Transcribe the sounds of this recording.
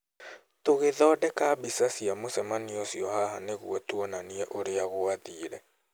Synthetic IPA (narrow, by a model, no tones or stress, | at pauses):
toɣeðɔːdɛkabisasiamosɛmaniɔsiɔhaɦaneɣuɔtwɔnaniɛʔoɾeaɣoaðiːɾɛ